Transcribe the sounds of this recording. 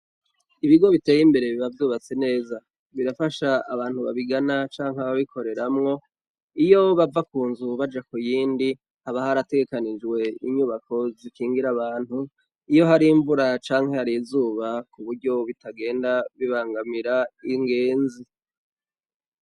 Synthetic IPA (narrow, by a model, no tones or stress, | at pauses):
iβiɡo̞βite̞ːjimbe̞ɾe̞βiβavjuːβat͡se̞ne̞ːza | βiɾafaʃaaβaːn̥huβa̰βiɡanat͡ʃaːŋhaβaβikʰo̞ɾe̞ɾamŋo̞ | ijo̞βavakuːnzuβad͡ʒakujiːndi | haβahaɾate̞ɡe̞kanid͡ʒwe̞iɲuβako̞zikiːŋɡiɾaβaːn̥hu | ijo̞ɦaɾiɱvuɾat͡ʃaːŋhe̞haɾizuːβakuβuɾɟo̞βitaɡe̞ːndaβiβaːŋɡamiɾaiŋɡe̞ːnzi